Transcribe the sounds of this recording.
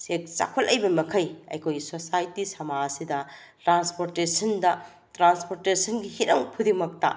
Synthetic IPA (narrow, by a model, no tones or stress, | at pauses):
sek̚t͡ʃa̰kʰolɐjbɐmɐkʰɐjɐ̰jkʰojisosajtisɐmaɐsidɐ | tɾanspoɾtesʰɐndɐ | tɾanspoɾtesɐnɡihinɐŋpʰudimɐk̚tɐ̰